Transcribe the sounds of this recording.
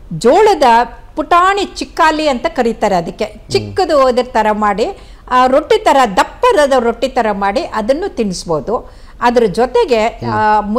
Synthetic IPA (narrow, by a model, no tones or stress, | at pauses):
d͡ʒoːɭɐd̪ɐpuʈaːɳit͡ʃikːaːliɐnt̪ɐkɐɾit̪aːɾeɐd̪ɐkːet͡ʃikːɐd̪uoːd̪ɐɾɐt̪ɐɾɐmaːɽi | ɾoʈːit̪ɐɾɐd̪ɐpːɐd̪ɐd̪ɐɾoʈːit̪ɐɾɐmaːɽiʔɐd̪ɐnːut̪iɳisboːd̪u | ɐd̪ɐɾud͡ʒɔt̪eɡe̞mu